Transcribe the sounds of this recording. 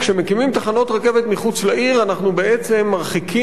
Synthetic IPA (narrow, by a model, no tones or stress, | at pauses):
kʃemekimimt̪aχano̞t̪ʁeke̞vet̪miχut͡slaʔiʁanaχnubeet͡se̞mːaʁχikʰi